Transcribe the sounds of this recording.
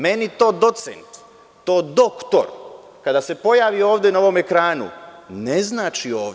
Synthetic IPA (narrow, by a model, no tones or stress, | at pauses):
me̞nit̪o̞ːd̪o̞t̪sḛnt̪ː | oːd̪o̞kt̪o̰ɾ | kad̪ase̞po̞jaːʋio̞ːʋd̪jenao̞ʋo̞me̞kɾaːnṵneznaːt͡ʃio̞ː